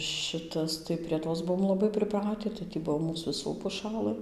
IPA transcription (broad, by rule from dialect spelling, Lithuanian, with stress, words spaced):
ˈʃʲɪtɐs tɐɪ pʲrʲiɛ ˈtoːs ˈbuɔm lˠɐˈbɐɪ pʲrʲɪˈprɑːtʲɪ tɐɪ tʲiː ˈbuɔ ˈmuːs ʋʲɪˈsuː pʊˈʃɑːlˠɘ